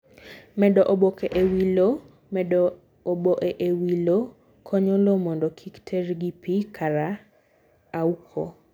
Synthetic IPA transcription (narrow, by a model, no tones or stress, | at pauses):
mɛdɔʔobokeʔewilo | mɛdɔ | oboʔeʔewilo | kʰɔɲɔlomɔndɔkʰiktʰeɾɡipikʰaɾaː | ukʰo̰